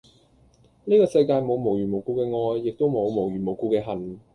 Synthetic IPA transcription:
niː˥kɔː˧sɐ˧jkaː˧jmo˨˧wmo˨˩wjyː˨˩mo˨˩wkuː˧kɛː˧ŋɔː˧jːɪ˨k̚t̪o˥wmo˨˧wmo˨˩wjyː˨˩mo˨wkuː˧kɛː˧ɦɐ˨˩n

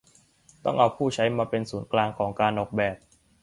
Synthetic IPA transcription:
t̪ɔ̰˥˩ŋʔa˧wpʰuː˥˩t͡ɕʰa˦˥jmaː˧pe˧nsuː˩˦nklaː˧ŋkʰɔː˩˦ŋkaː˧nʔɔː˨˩k̚bɛː˨˩p̚

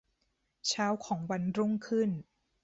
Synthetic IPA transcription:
t͡ɕʰaː˦˥wkʰɔː˩˦ŋwa˧nɾu˥˩ŋkʰɯ˥˩n

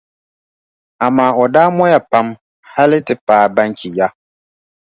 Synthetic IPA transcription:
a˨maː˦ɔ˨daː˦mɔ˦ja˨pa˦m | ha˦lɪ˦tɨ˨paː˨˦˨ba˦ŋkʰi˨ja˦

